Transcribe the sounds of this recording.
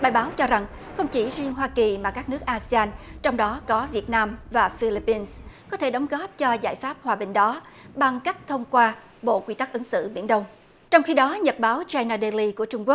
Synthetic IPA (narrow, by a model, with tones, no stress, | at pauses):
ɓaː˨˩jɓaː˨˦wt͡ɕɔ˧za˨˩ŋ | xə˧wŋ͡mt͡ɕi˧˩zi˧əŋɦwaː˧ki˨˩maː˨˩kaː˦˥k̚nɨ˦˥ək̚ʔaː˧si˧aː˧nt͡ɕɔ˧wŋ͡mɗɔ˨˦kɔ˨˦vi˨˩ət̚naː˧mvaː˨˩fi˧li˧pːi˧nskɔ˨˦t̪ʰe˧˩ɗə˨˦wŋ͡mɣɔ˦˥p̚t͡ɕɔ˧zaː˧˩jfaː˦˥p̚hwaː˨˩ɓï˨˩ŋ̟ɗɔ˨˦ | ɓa˨˩ŋka˦˥jk̚t̪ʰə˧wŋ͡mkwaː˧ | ɓo̰˧˨kwi˧t̪a˦˥k̚ʔə˨˦ŋsɨ̰˧˨ɓḭ˧˩ənɗə˧wŋ͡m | t͡ɕɔ˧wŋ͡mxi˧ɗɔ˨˦ɲə˨˩t̚ɓaː˨˦wt͡ɕaː˧jnaː˧ɗe˧li˧ku˧˩ət͡ɕʊ˧ŋ͡mku˦˥k̚